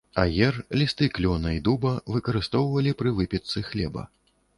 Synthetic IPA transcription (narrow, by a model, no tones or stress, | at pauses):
ɐjɛrlʲist̪ɨklʲɔnɐid̪ubɐvɨkɐɾɨst̪ɔwvɐlʲipɾɨvɨpʲɛt̪sɨxlʲɛbɐ̰